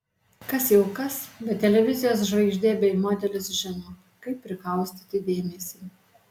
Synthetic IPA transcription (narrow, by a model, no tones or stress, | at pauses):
kɐsjɛʊkɐsbʲɛt̪ːʲɛlʲɛʋʲɪzʲɪjoːs̬ʒʋɐɪʒʲd̪ʲeːbʲɛɪmoːd̪ʲɛlʲɪsʒʲɪnoː | kɐɪpʲːɾʲɪklˠɐʊsʲt̪ʲit̪ʲɪd̪ʲeːmʲɛsʲiː